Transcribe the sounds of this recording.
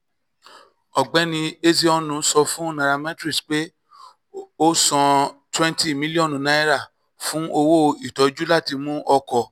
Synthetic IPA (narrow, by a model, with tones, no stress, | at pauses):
ɔ˨ɡ͡bɛ˨˦nĩ˧e˦si˦ɔ˦˨nũ˧sɔ˧fũ˦nã˧ɾa˧mɛ̃˦tɾi˦˨sk͡pe˦ | o˦sɔ̃˧twɛ̃˦nti˦˨mi˦li˦ɔ̃˦˨ñ˨nã˦i˦ɾa˦˨ | fũ˦ʔo˧wo˦i˨tɔ˨˦d͡ʒu˦la˦˨ti˧mũ˦ʔɔ˧kɔ˧˨